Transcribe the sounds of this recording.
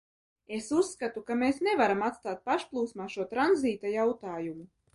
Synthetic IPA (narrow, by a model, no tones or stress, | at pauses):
esusːkat̪ukameːsnevaɾamat̪st̪aːt̪̚paʃplˠuːsmaːʃuɔt̪ɾanziːt̪ajawt̪aːjumu